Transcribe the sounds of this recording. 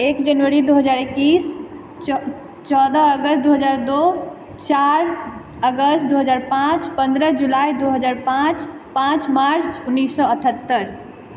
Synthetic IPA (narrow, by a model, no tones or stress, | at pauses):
eːkd͡ʒənʋəɾid̪uɦəd͡ʒaːɾekːiːs | t͡ʃɔd̪əəɡəst̪̚d̪uɦəd͡ʒaːɾd̪o | t͡ʃaɾ | əɡəst̪̚d̪uɦəd͡ʒaːɾpãt͡ʃpə̃nd̪ɾəd͡ʒulaid̪uɦəd͡ʒaːɾpãt͡ʃ | pãt͡ʃmaɾt͡ʃt͡ʃunːiːsːɔəʈʰət̪ːəɾ